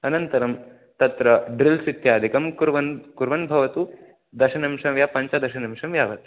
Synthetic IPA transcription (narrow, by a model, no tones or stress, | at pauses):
ɐnɐnt̪ɐɾɐm | t̪ɐt̪ɾɐɖɾilsit̪jaːd̪ʱikɐmkuɾʋɐnkuɾʋɐnbʱɐʋɐt̪u | d̪ɐʃɐnɐmʃɐmʋjaːpɐɲt͡ʃad̪ɐɾʃɐnɐmʂɐmʋjaːʋɐt̪